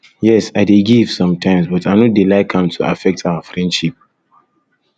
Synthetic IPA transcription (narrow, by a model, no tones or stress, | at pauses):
jɛsaɪdeɡiv̥sɔ̃mtʰãɪ̃msbɔtaɪnɔdilaɪkʰãmtʰua̰fɛk̚tʰawəfɹɛ̃ndʃip̚